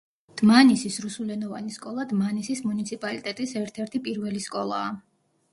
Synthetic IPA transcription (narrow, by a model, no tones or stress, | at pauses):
d̪̥manisisɾusulɛnɔva̰niskʼɔlˠad̪manisismunit̪sʰipʼalit̪ʼɛt̪ʼisɛɾt̪ʰɛɾt̪ʰipʼiɾvɛliskʼɔlˠa̰ː